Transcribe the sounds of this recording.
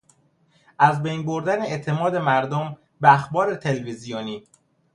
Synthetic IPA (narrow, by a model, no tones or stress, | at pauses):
ʔæzbejnboɾd̪æneet̪ʰe̞mɒːd̪e̞mæɾd̪om | beæxbɒːɾe̞t̪ʰe̞lvizijoniː